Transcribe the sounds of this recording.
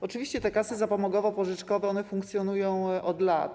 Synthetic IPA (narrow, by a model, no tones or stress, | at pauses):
ɔt͡ʂɘvʲiɕt͡ɕɛt̪ɛkasɘzapɔmɔɡɔvɔpɔʐɘt͡ʂkɔvɛɔnɛfuŋkt̪sʲjɔnujɔ̃w̃ʔɔd̪lat̪